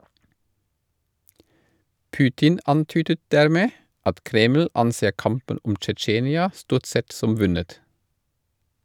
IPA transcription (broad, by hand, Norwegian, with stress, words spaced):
ˈpʉːtɪn ˈɑntyːdə ˈdæɾˌmeː ˈɑt ˈkɾeːml̩ ˈɑnˌseː ˈkɑmpən ˈʊm t͡ʃɛˈt͡ʃeːnɪɑ ˈstuːʁt ˈsɛt ˈsɔm ˈʋʉnət